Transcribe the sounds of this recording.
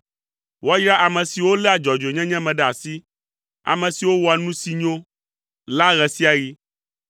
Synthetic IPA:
wa˦jɾa˦ʔa˨mɛ̃˨si˨wo˦lɛ˦a˨d͡ʒɔ˨d͡ʒe˨ɲɛ̃˦ɲɛ̃˦mɛ̃˨ɖɛ˦˨a˨si˦ | a̰˨mɛ̃˨si˨wo˦wɔ˨a˨nũ˦si˦ɲõ˦ | la˦ɣɛ˨si˦a˨ji˦

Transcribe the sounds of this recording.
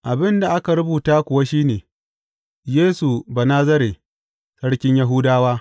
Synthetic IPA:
ʔa˨bɪ˦nda˨ʔa˦ka˨ɾʊ˦buː˨taː˦kʷʊ˨wa˦ʃiː˦neː˨ | jeː˦su˨ba˨naː˦zɐ˦ɾe˨ | sɐ˦ɽkʲɪ˦ɲja˦ɦʊ˦daː˦waː˦

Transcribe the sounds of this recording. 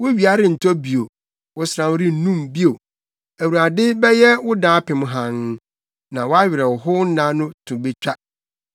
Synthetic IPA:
wʊ˦ɥi˨a˨ɾɪ˨n̩˨tʰɔ˦bi˨o˨ | wʊ˨˦sɾã˨m˦ɾɪ˦n̩˨nũ˦mbi˦o˨ | æ˨wu˨ɾa˨dɪ˦bɛ˦jɛ˦wʊ˦dãː˦pʰɪ̃˨m̃˦ɦã˨n˦ | nã˨wɔ˦a˦ɥɪ˨ɾɛ˨wʊ˨ɦʊ˦n̩˦nã˦nʊ̃˦tʰʊ̃˨be˦t͡ɕᶣa˦

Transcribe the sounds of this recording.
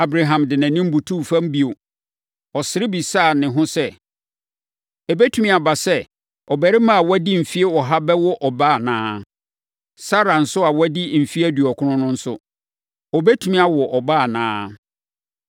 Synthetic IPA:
a˨bɾa˨ɦã˨mdɪ˨nã˨nĩ˦m̩˦bu˨tʰu˦˨fã˦m˦bi˨o˨ | ɔ˨sɪ˨˦ɾɪ˦bi˨saː˦˨nɪ̃˨ɦʊ̃˦sɛ˦ | ɛ˨bɛ˦tʰu˦mĩ˦a˨ba˨sɛ˦ | ɔ˨bɛ˨ɾɪ˦mã˦a˨wɛ˦di˦m̩˨fi˦e˦wɔ˨ɦa˦bɛ˦wɔ˦ʔɔ˨baː˦˨nãː˦ | sa˦ɾa˨n̩˨sʊ˦a˨wɛ˦di˦m̩˨fi˦æ˦dɥɔ˨kʰʊ̃˦nʊ̃˦nʊ̃˦n̩˦sʊ˦ | ɔ˨bɛ˦tʰu˨mĩ˦a˨wɔ˨ʔɔ˨baː˦˨nãː˦

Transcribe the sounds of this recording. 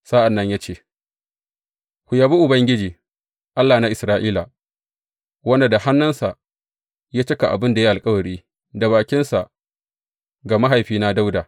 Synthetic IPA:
saː˦ʔa˨nːɐ˦ɲjaː˦t͡ʃeː˦˨ | kʷʊ˨jaː˨bi˦ʔʊ˨bɐ˦ŋɡʲɪ˦d͡ʒiː˨ | ʔa˦lːaː˨na˦ʔɪ˨sɾaː˦ʔiː˦la˨ | wɐ˦nda˨da˨ha˦nːɐ˦nsa˨ʔ | jaː˦t͡ʃɐ˦ka˨ʔa̰˨bɪ˦nda˨ji˦a˨lkʼɐ˦wɐ˨ɽiː˦ | da˨baː˨kʲɪ˦nsa˨ | ɡaː˨ma˦ɦa˨jɸiː˦na˦da˦wdaː˨

